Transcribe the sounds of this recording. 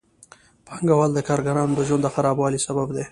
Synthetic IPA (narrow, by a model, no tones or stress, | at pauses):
pʰɑŋɡawald̪əkɑːɾɡaɾɑnod̪əʒwand̪d̪əxaɾɑbwɑːlisababd̪e